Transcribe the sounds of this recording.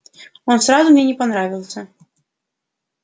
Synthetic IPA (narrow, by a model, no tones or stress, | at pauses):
ɔnsɾazumnʲɛnʲɛpanɾavʲilˠsʲɐ